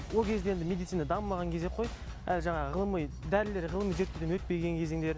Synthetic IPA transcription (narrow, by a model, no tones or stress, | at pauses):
wo̞lˠkʲʰe̞zd̪eend̪ɪmed̪it̪sɨinad̪ɑməmɑʁɑŋkʲʰezeqʰo̞j | æ̰lʒɑɴɑʁəʁəlˠəməj | d̪æɾɪle̞ɾʁəlˠəməjʒe̞ɾt̪ːeɾd̪enwɵt̪̚pe̞ɡʲeŋkʲʰe̞ze̞ŋd̪e̞ɾ